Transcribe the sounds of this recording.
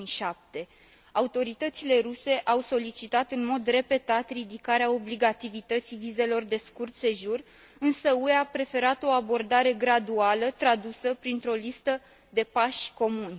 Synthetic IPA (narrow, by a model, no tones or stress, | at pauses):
iʃap̚t̪e̞ | aut̪o̞ɾit̪ət̪sile̞ruse̞ʔawso̞lit͡ʃit̪at̪ɨnmo̞d̪re̞pe̞t̪at̪rid̪ikaɾeao̞bliɡat̪ivit̪ət̪sivize̞lo̞rd̪e̞skurt̪se̞ʒur | ɨnsəueapɾe̞fe̞ɾat̪o̞abo̞rd̪aɾe̞ɡɾad̪ualət̪ɾad̪usəpɾint̪ɾo̞list̪ə | d̪e̞paʃʲko̞munʲ